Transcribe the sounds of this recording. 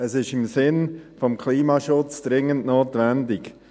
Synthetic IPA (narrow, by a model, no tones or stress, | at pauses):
əsɪʃɪmsɪnfɔmkʰliːmɑʃʊt͡sd̥ɾɪŋːəntnoːtvɛndɪk